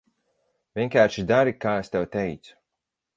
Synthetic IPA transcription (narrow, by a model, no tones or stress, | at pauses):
vʲiɛŋkaːɾʃid̪aɾikaːest̪ʲɛwt̪ejt̪su̥